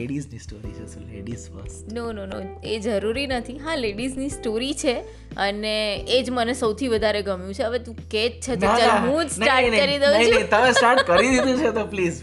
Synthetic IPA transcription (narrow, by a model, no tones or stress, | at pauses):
eɽiznisʈoɾḭt͡ʃʰḛselḛɖizbə̰snononoed͡ʒəɾuɾinət̪ʰiɦãleɖiznisʈoɾit͡ʃʰe | əneːd͡ʒmənesəwt̪ʰiʋəd̪ʱaɾeɡəmjũt͡ʃʰeəʋet̪ũket͡ʃt͡ʃʰetnoaaɦũd͡ʒsnaɾnəəɾid̪eəinəit̪əmesʈaɾʈkəɾid̪id̪ũt͡ʃʰet̪opliːz